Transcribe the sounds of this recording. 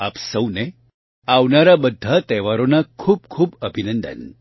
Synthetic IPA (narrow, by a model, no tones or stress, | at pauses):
apsəwne | aʋnaɾabəd̪ʱːat̪ɛʋaɾonakʰuːbkʰuːbəbʱinənd̪ə̰n